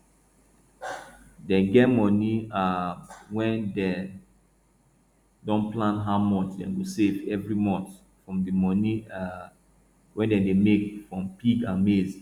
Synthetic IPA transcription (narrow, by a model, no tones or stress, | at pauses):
dɛ̃nɡɛtmɔniawɛ̃ndɛ | dɔ̃nplãnɦaʊmɔt͡ʃdɛ̰̃nɡosevɛvɹimɔ̃nθ | fɹɔ̃mdəmɔni | wɛ̃ndɛ̃ndemekfɹɔ̃mpiɡãnmez